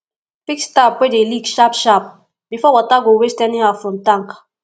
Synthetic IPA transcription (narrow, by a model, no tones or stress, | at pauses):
pikstapwedeliɡʃapʃap̚ | b̥ifɔwataɡowestɛnĩafɔ̃ntaŋkḁ